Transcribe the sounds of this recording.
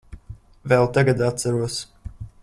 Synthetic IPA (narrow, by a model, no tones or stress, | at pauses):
vɛlˠt̪aɡad̪at̪t̪saɾuɔs